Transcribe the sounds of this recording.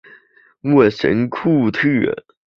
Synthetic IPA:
wu˥˩ʂə̰˧˥nkʰu˥˧t̪ʰɨ˥˩

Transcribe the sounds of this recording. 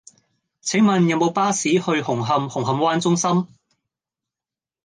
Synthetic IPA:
t͡sʰɪ˨˥ŋmɐ˨njɐ˨˧wmo˨˧wpaː˥siː˨˥hɵ˧ɥhʊ˨˩ŋɦɐ˨mhʊ˨˩ŋɦɐ˨˩mwaː˥nt͡sʊ˥ŋsɐ˥m

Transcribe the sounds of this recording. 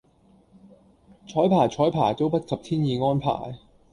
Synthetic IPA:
t͡ʃʰɔː˨˥jpʰaː˨˩jt͡ʃʰɔː˨˥jpʰaː˨˩jt̪o˥wpɐ˥t̚sɐ˨p̚t̪ʰiː˥njiː˨˧ŋɔː˥npʰa̰ː˨˩j

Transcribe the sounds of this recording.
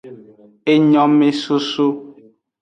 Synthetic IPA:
e˦ɲɔ̃˦me˦su˦su˦

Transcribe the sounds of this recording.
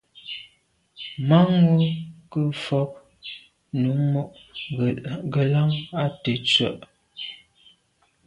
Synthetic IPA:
ma˦ŋu˦kə˦˨fɔ˦p̚ | nu˨˦mɔ˦ʔ | ɡə˨la˦ŋa˦tə˨t͡sɥə̰˦˨ʔ

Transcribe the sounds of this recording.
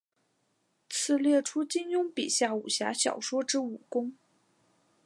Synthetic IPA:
t͡sʰɹ̩˥˧ljɛ˥˩ʈ͡ʂʰu˥t͡ɕi˥ŋjʊ˥ŋpi˨˩ɕja˥˩u˨˩ɕja̰˧˥ɕjɑ̰˨˩ʊʂwɔ˥ʈ͡ʂɻ̩˥u˨˩kʊ˥ŋ

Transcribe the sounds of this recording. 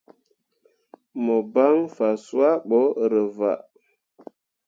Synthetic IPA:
mo˨ba˦ŋfa˨su˦a˦ɓo˨˦ɾə˨va̰˨ʔ

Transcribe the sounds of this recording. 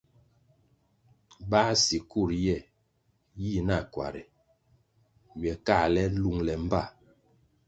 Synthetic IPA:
ba˦si˨ku˦˨ɾjɛ˦˨ | ji˦˨na˦˨kwa̰˨ɾi˨ | ɥɛ˨ka˦˨lɛ˦lu˦˨ŋlɛ˨m̩˦ba˦˨

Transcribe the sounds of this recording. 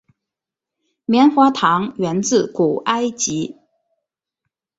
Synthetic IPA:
mjɛ˧˥nxwa˧˥t̪ʰɑ˧˥ŋɥɛ˧˥nt͡sɹ̩˥˩ku˨˩ʔa˥ɪt͡ɕi˧˥

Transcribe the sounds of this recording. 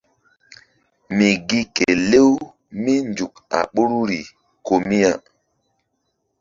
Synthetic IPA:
mi˨ɡi˦ke˨le˦w | mi˦nd͡ʒu˨ka̰˨ɓu˦ɾu˦ɾi˨ | ko˨mi˦a˨

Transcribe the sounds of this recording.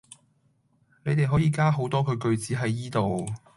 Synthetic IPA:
ne˨˧jt̪e˨jɦɔː˨˥jiː˨˧kaː˥ɦo˨˥wt̪ɔː˥kʰɵ˨˧ɥkɵ˧ɥt͡siː˨˥ɦɐ˨˥jiː˥t̪o˨w

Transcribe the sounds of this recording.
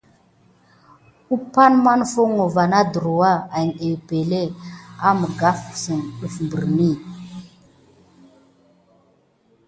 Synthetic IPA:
u˦pa˦nma˦n˦fo˦ŋo˨va˨na˦də˨ɾu˨wa˦a˨ŋe˨be˨le˦a˦mə˨ɡa˦fsə˨nɗu˨fmbə˨ɾni˦˨

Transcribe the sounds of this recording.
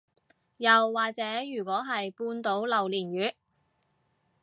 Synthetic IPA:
jɐ˨wːaː˨k̚t͡sɛː˨˥jyː˨˩kʷɔː˨˥ɦɐ˨jpuː˧nt̪o˨˥wlɐ˨wliː˨˩njyː˨˥

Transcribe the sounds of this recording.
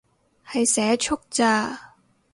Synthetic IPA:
hɐ˨jsɛː˨˥t͡ʃʰʊ˥k̚t͡saː˧

